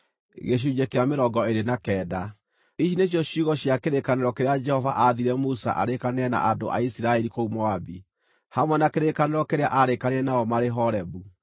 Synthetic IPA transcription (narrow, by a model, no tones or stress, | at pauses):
ɣeɕ̬uɲekeameɾɔɡɔeɾenakɛːda | iʃineɕ̬jɔɕuɣɔɕjakeɾekaneɾɔkeɾead͡ʒɛhɔvaʔaðiɾɛmusa̰ʔa̰ɾekaneɾɛna̰ʔado̰ʔa̰isiɾaɛɾikoumɔabi | hamwɛnakeɾekaneɾɔkeɾeaʔaɾekaneɾɛnaɔmaɾeɦɔɾɛβu